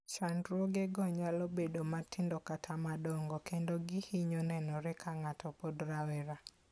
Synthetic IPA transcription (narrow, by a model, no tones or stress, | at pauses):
t͡ʃandɾwɔɡɛɡɔɲalobedomatʰɪndɔkatʰamadɔŋɡɔkendoɡɪhiɲonɛnɔɾɛkʰaŋatʰɔpɔdɾawɛɾa